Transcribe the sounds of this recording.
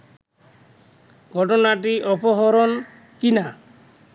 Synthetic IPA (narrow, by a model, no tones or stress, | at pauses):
ɡʱɔʈɔnaʈ̬iʔɔpɔɦɔɾɔn | kina